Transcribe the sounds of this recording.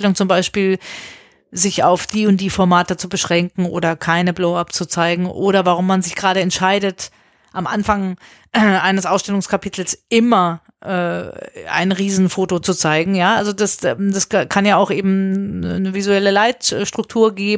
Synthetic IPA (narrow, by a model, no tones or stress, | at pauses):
ɛlʊŋt͡sʊmbaɪʃpiːl | zɪça̰ʊfd̥iːʊnt̚d̥iːfɔɐmaːtət͡subəʃʁ̥ɛŋkŋ̩ʔo̰ːdɐkʰaɪnəbloʊapt͡sut͡saɪɡŋ̩ʔoːɾɐvaʁ̞ʊmːanzɪçɡ̥ʁaːɾəɛntʃaɪdət | ʔamʔa̰nfaŋ | ʔʔa̰ɪnəsʔaʊsʃtɛlʊŋskʰapʰitʰl̩sʔɪmɐ | ʔɛːa̰ɪnʁiːzn̩foːtot͡sut͡saɪɡŋ̩jaːʔalzodasɛmdaskʰanjaːaʊxʔeːbm̩nəvizuɛləlaɪtʃtʁ̥ʊk̚tʰuːɐɡeːb